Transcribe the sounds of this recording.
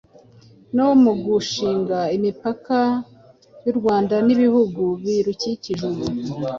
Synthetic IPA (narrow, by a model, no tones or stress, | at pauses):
nowomuɡuʃiːŋɡaimipaka | juɾɡwaːndaniβihuɡuβiɾuciciʒuɾu